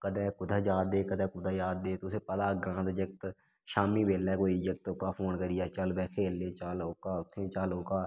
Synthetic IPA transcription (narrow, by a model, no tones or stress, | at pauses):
kəd̪ɛ̃ːkʊd̪aːd͡ʒaːd̪ːeːkəd̪ɛ̃ːkʊd̪aːjaːd̪ːeːt̪ʊseːpəlaːɡɾãːnd̪d͡ʒək̚t̪ | ʃaːmiːbeːlɛːkoːid͡ʒək̚t̪ʊkaːpʰoːnkəɾiːaːt͡ʃəlbɛːkʰeːlːẽːt͡ʃəlʊkaːʊt̪ʰːẽːt͡ʃəlokaː